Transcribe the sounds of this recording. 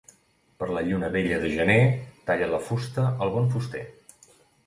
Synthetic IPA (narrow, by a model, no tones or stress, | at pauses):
pəɾləʎunəβeʎəðəʒənet̪aʎələfust̪əəlˠβɔɱfust̪ḛ